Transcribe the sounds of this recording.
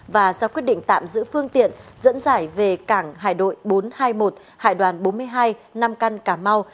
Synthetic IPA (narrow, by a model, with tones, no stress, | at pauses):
vaː˨˩zaː˧kwi˦˥ət̚ɗḭ˧˨ŋ̟t̪a̰ː˧˨mzɨ̰˧˥fɨ˧əŋt̪ḭ˧˨ənzə̰˧˥nzaː˧˩jve˨˩kaː˧˩ŋɦa̰ː˧˨jɗo̰˧˨jɓo˨˦nhaː˧jmo˨˩t̚ | ha̰ː˧˨jɗwaː˨˩nɓo˨˦nm˧əjɦaː˧jna˧mka˧nkaː˧˩ma˧w